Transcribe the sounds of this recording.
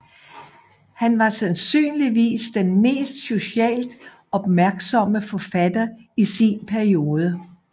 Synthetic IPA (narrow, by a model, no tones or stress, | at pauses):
hænʋɑ̈sænsy̰ːnliʋḭːsd̥enme̝̰ːsd̥so̝ɕɛ̰ːld̥ | ɒ̽b̥mæɐɡ̥sɒ̽məfɒ̽fæd̥ɐisinpʰæɐio̝ːð̞ˠə